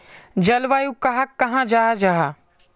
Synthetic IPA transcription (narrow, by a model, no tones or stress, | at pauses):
d͡ʒɐlʋaːjũkɐɦakːɐɦãd͡ʒaːɦad͡ʒaːɦa